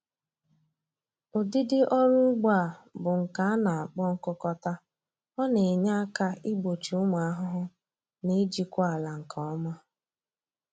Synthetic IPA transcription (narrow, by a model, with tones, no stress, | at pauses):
ʊ˨dɪ˦dɪ˦ʔɔ˦ɾʊ˦ɡ͡ba˦˨bʊ˨ŋ̩˨ka˨a˦na˨a˨k͡pɔ˦ŋ̩˦kʊ˦kɔ˦ta˦ | ɔ˦ne˨ɲa˦a˦ka˦i˦ɡ͡bo˨t͡ʃu˨ʊ˦mʊ˨a˦ɦʊ˦ɦʊ˦ | ni˦d͡ʒi˦kʷa˦a˨la˨ŋ̩˨kʰɔ˨˦ɔ˦ma˦